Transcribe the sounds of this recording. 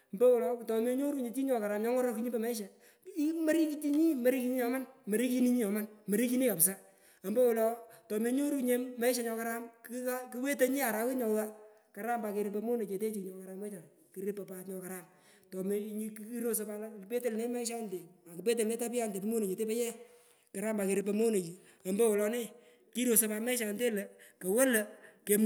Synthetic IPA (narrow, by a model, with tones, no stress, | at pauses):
mbɛ˦wʊ˨lɔ˨tɔ˨me˦ɲo˦ɾu˦ɲe˨t͡ʃi˦ɲɔ˨ka˨ɾa˨mɲɔ˦ŋɔ˦ɾɔ˦ki˦ɲi˦bɛ˨ma˦ɪ˦ʃ̬a˨ | i˦ma˦ɾi˦ki˦t͡ʃi˦ɲi˦ma˦ɾi˦ki˦ɲi˦ɲɔ˨ma˦nmɐ˨ɾi˦ki˦ni˦ɲi˦ɔ˨ma˦nmɐ˨ɾi˦k̬i˦ni˦ka˨psa˦ | a˨mbɛ˦wʊ˨lɔ˨tɔ˨me˨ɲo˦ɾu˦ɲe˨˦ma˦ʃ̬a˨˦ɲɔ˧ka˦ɾa˦mki˦a˦ki˦we˦te˦ɲi˦a˨ɾa˨˦wɪ˦ɲɔ˨wa˦ | ka˨ɾa˦mba˨ke˨ɾɪ˦p̬e˧mo˦ne˨t͡ʃe˨te˦t͡ʃi˨kɲɔ˨ka˨ɾa˦mwe˦t͡ʃa˨ | ki˨ɾɪ˦pːa˨pa˨tɲɔ˧ka˨ɾa˦m | tɔ˨me˨ɲ˦ki˦ɾo˦s̬o˦pa˦lpe˦te˦lne˦ma˦ɪ˦ʃ̬a˦nte˨a˨ki˨pe˦t̬e˨lne˦ta˦p̬ɪ˦a˦nte˨pe˦mo˦ne˨t͡ʃe˨te˦pɛ˦jɛ˦ | ka˨ɾa˦mba˨ke˨ɾɪ˦p̬e˨mo˦ne˨t͡ʃi˨ | a˨mbo˦wɔ˨lɔ˧nɪ˦ | ki˦ɾo˨so˧pa˧mɛ˦ʃa˨nte˦le˨ke˨we˦lə˨ke˨m